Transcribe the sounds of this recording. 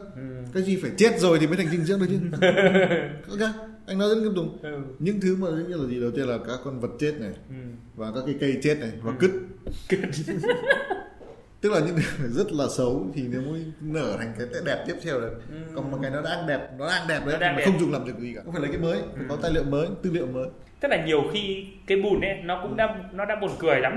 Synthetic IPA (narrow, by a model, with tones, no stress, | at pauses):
kaː˨˦jzi˨˩faː˧˩jt͡ɕe˦˥t̚zo˨˩jt̪i˨˩əː˨˦t̪ʰŋ̟i˧ŋ̟zɨ̰˧˥ŋɗ̚t͡ɕɨ˧˥ | kaː˧ | ʔa˧ŋnɔ˨˦zə˦˥kɨ˧˥p̚zʊ˨˩ŋ͡mɲɨ̰˧˥ŋt̪ʰɨ˨˦maː˨˩˨zɨ̰˧˥ɲi˧laː˨˩zi˨˩ɗə˨˩wt̪i˧nlaː˨˩kaː˨˦˥kːɔ˧nvə˨˩t̚t͡ɕe˦˥t̚na˨˩j | vaː˨˩kaː˦˥kːaː˨˦kə˧jt͡ɕe˦˥t̚na˨˩jvaː˨˩kɨ˦˥t̚t | t̪ɨ˦˥k̚laː˨˩ɲɨ̰˧˥ŋt̪ʰɨ˨˧˦aː˨˧˩zə˦˥t̚laː˨˩sə˨˦wt̪ʰi˨˩ne˨˦wmu˨˦nəː˧˩t̪ʰa˨˩ŋ̟kaː˨˦jt̪e˧˥ɗɛ˨˩p̚t̪i˦˥ət̪ʰɛ˧wɗə˨˦kɔ˨˩nmɔ˨˩kaː˨˦jnɔ˨˦ɗa̰ː˧˥ʔa˧ŋɗɛ˨˩p̚nɔ˨˦ɗaː˧ʔaː˧ŋɗɛ˨˩p̚ɗə˨˦˧ma˨˩˨xə˧wŋ͡mzʊ˨˩ŋ͡mŋlaː˨˩mzk̚zi˨˩kaː˧˩˧fa˧˩laː˨˩kaː˨˦jməː˨˦ja˨˩kɔ˨˦t̪aː˧jlḭ˧˨əwməː˨˦jt̪ɨ̰˧lḭ˧˨ə˨wməː˨˦j | t̪ə˦˥laː˨˩ɲi˨˩əwxi˧kaː˨˦jɓu˨˩nʔɛ˨˦nɔ˨˦kʊ̰˧˥ŋ͡mɗa̰ː˧˥nɔ˨˦ɗa̰ː˧˥ɓo˨˩nkɨ˨˩əjla˨˦m